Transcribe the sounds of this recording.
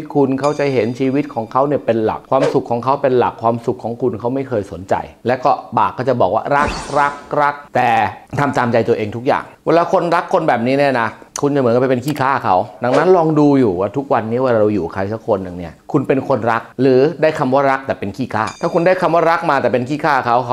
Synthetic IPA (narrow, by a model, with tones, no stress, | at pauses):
kʰu˧nkʰa˥˩wt͡ɕa˨˩ɦe˩˦nt͡ɕʰiː˧wi˦˥t̪̚kʰɔː˩˦ŋkʰa˦˥wni˥˩ɐpe˧nla̰˨˩k̚ʰwaː˧msu˨˩kʰːɔː˩˦ŋkʰa˦˥wpe˧nla̰˨˩kʰːwaː˧msu˨˩kʰːɔː˩˦ŋkʰu˧nkʰa˦˥wma˥˩jkʰɤː˧jso˨˩˦nt͡ɕa̰˧jlɛː˦˥wkɔː˥˩baː˨˩kːɔː˥˩t͡ɕa˨˩bɔː˨˩k̚waː˥˩ɾa˦˥k̚ɾa˦˥k̚ɾa˦˥k̚t̪ɛː˨˩t̪ʰa˧mt̪aː˧mt͡ɕa˧jt̪u˧ɐʔeː˧ŋt̪ʰu˦˥k̚ja̰ː˨˩ŋwe˧˥laː˦˧˥kʰo˧nɾa˦˥kʰːo˧nbɛː˨˩p̚niː˦˥niː˥˩na˦˥kʰu˧nt͡ɕa˨mː˩˦kːpa˧˩pe˧nkʰiː˥˩kʰaː˥˩kʰa˦˥wda˧ŋna˦˥nlɔː˧ŋduː˧juː˨˩waː˥˩t̪ʰu˦˥k̚wa˧nːiː˦˥˩waː˧˥˩ɾa˧wjuː˨˩kʰa˧jsa˦˥kʰːo˧nːɯ˨ŋni˥˩ɐkʰu˧npe˧nkʰo˧nɾa˦˥k̚ɾɯː˩˦daː˥˩jkʰa˧mwaː˥˩ɾa˦˥k̚t̪ɛː˨˩pe˧nkʰiː˥˩kʰaː˥˩t̪ʰaː˥˩kʰu˧ndaː˥˩jkʰa˧mwaː˥˩ɾa˦˥k̚maː˧t̪ɛː˨˩pe˧nkʰiː˥˩kʰaː˥˩kʰa˦˥w